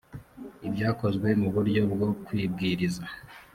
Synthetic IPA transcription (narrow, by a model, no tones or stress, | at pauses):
ibɟaːko̞zɡwe̞muβuɾɟo̞b̚ɡo̞kwiːb̚ɡiːɾiza